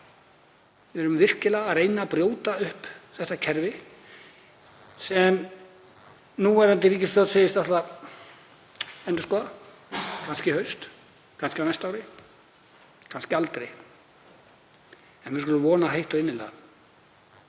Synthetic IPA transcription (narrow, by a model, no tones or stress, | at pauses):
vɪɛɾʏmvɪr̥cɪlaɣaðrejnaːpɾjoːwt̪aʏhpθɛht̪acʰɛɾvɪ | sɛm | nuɛɾɛnt̪ɪɾiːcɪst̪aðseːjɪst̪aht̪la | ɛnt̪ʏskɔa | kʰanscɪhœɥst̪ | kʰanscɪawnɛjst̪aːwɾɪ | kʰanscɪalt̪ɾḛj | ɛnvɪskɔlʏmvɔːnaɦejht̪ɔɪnːɪla̰ː